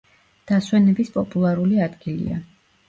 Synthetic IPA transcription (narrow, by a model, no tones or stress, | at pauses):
d̪̥aswɛnɛbispʼɔpʼulˠaɾuliad̪ɡilḭa̰